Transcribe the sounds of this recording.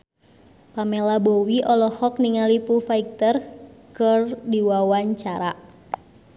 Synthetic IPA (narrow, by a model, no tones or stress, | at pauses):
pamelabowiʔɔlɔhɔk̚niŋalipufaik̚t̪ərkərdiwawaɲt͡ʃaɾa